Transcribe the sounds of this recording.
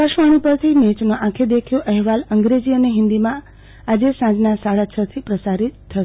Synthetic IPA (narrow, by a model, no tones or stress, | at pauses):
pəʃʋəɽ̃ipəɾt̪ʰimet͡ʃnõʔãkʰed̪ekʰjõʔəɦʋaləŋɡɾed͡ʒiəneɦɪ̃nd̪imã | ad͡ʒesãd͡ʒnasaɽat͡ʃʰət̪ʰipɾəsaɾit̪ʰːə